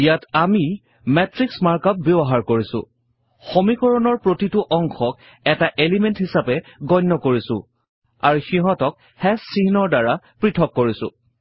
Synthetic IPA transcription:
ijatami | mɛtɹiksmaɹkap̚bebɔɦaɹkoɹisʊ̰̃ | xomikɔɹɔnɔɹpɹotitʊʔɔŋxɔk̚ | ɛtaʔelimenthisapɛɡɔjnːɔkoɹisʊ̰̃ | a̰ɹuxiɦɔtɔk̚ | hɛsiɦnɔɹdaɹa | pɹitʰɔkːoɹisʊ̰̃

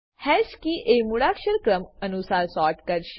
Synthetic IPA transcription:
hɛskiʔemuɽakɕəɾkɾəmənusaɾsɔɾʈkəɾɕ

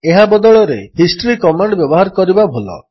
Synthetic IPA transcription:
eɦabɔd̪ɔɭɔɾḛhisʈɔɾikɔmaɳɖbjɔbɔɦaɾɔkɔɾibabʱolɔ̰

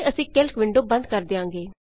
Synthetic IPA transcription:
əsĩːkɪlkʋɪ̃ɳɖoːbə̃nd̪̚kəɾd̪eːãːŋɡeː

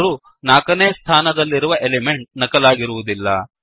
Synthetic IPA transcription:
ɾu | naːkɐneːst̪ʰaːnɐd̪ɐlːiɾuʋɐʔeleme̞ɳʈ̚nɐkɐlaːɡiɾuʋud̪ilːɐ̰

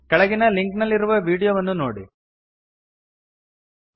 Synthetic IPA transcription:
kɐɭɐɡinɐliŋknɐlːiɾuʋɐʋiːɽijoːʋɐnːuno̰ːɽi

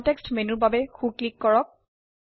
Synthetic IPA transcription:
ntɛkstmenubabɛxuklikːɔɹɔk̚

